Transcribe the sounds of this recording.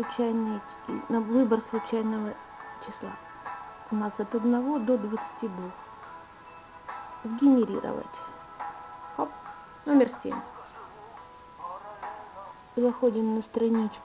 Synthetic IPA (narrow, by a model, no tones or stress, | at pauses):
ʊt͡ɕæjnɪj | nɐvɨbərslˠʊt͡ɕæjnəvə | t͡ɕɪslˠa̰ | ʊnasɐt̪ɐd̪nɐvo̞d̪od̪vət̪sɨ̥tʲid̪vux | zɡʲɪnʲɪɾʲḭɾə̰və̰tʲ | xop | nomʲɪrsʲḛmʲ | lˠɐxodʲɪmnəst̪ɾɐnʲit͡ɕ